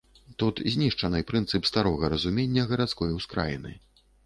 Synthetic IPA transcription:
t̪ut̪zʲnʲiʂt͡ʂɐnɨpɾɨnt̪sɨpst̪aɾɔɣɐɾɐzumʲenʲːɐɣɐɾat̪skɔjwskɾa̰jḭnɨ̰

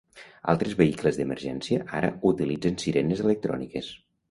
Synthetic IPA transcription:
a̰lˠt̪ɾezβəikləzðəməɾʒɛnsiəʔaɾə̰ut̪ilid͡zensiɾenezelək̚t̪ɾɔ̰nikes

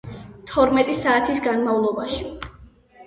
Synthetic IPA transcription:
t̪ʰɔɾmɛt̪ʼisaːt̪ʰisɡanmavlˠɔbaʃi̥

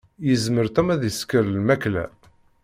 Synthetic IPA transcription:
jəzməɾθæmæðjəskəɾlmæklæ̰

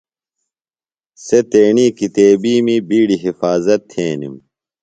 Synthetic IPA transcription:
set̪eːɳikit̪eːbiːmibiːɽiɦifaːzɐt̪ʰːeːnḭm

